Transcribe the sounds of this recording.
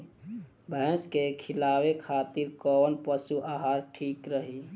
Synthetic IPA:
bʱɛ̃skekʰɪlawekʰat̪iɾkɔnpəsuʔaɦaɾʈʰikɾəɦi

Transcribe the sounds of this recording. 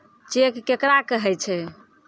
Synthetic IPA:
t͡ʃekːekɾakəɦɛt͡ʃʰɛ

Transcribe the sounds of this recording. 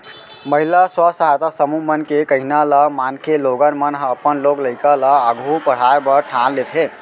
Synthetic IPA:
məɦilaswəsəɦajt̪asəmumənkekəɦinaləmankʰeloɡənmənɦəpənlokləɪkaləəɡʱupəɽ̤aebəɾʈʰanlet̪ʰe

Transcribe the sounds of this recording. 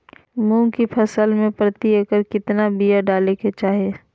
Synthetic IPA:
mũːkipʰɐsəlmẽpɾət̪iəkəɾkɪt̪nabijəɖaːleket͡ʃaːɦieː

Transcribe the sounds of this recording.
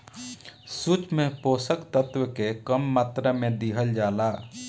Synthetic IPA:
sut͡ʃmẽpoːsəkt̪ət̪wəkekəmːaːt̪ɾəmẽd̪iɦəld͡ʒaːlaː

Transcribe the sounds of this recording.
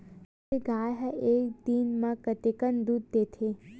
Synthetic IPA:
eɡaːjɦəekd̪iːnmãkət̪ekənd̪ud̪̚ːet̪ʰe

